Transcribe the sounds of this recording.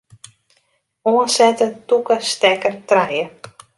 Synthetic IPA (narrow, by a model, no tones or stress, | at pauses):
oənsɛtəntukəstɛkərtrɛjə